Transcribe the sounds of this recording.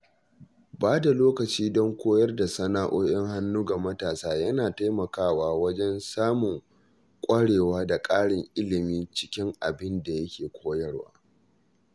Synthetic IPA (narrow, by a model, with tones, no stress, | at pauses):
baː˦da˨loː˦kɐ˨t͡ʃiː˦dɔ˦ŋkʷoː˦jɐ˦rda˨sɐ˦naː˨ʔoː˦jɐ˦ŋha˦nːuː˦ɡa˨mɐ˦taː˨saː˦jɐ˦naː˨ta˦jmɐ˨kaː˦waː˦wɐ˦d͡ʒɛ˦nsaː˦mʊ˨ŋ | kʷʼɐ˦ɽeː˨waː˦da˨kʼaː˦ɽɪ˨ŋʔɪ˦lɪ˨miː˦t͡ʃɪ̥˦kʲɪ˦ŋʔa˨bɪ˦nda˨jɐ˦kʲeː˨kʷʰoː˦jɐ˦rwa̰ː˦